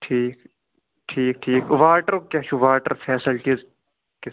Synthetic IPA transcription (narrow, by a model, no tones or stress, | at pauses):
ʈʰiːk | ʈʰiːk̚ʈʰiːkʋaːʈəɾkʲaːt͡ʃʰuʋaːʈəɾfʰɛːsəlt͡ʃiz | kɪ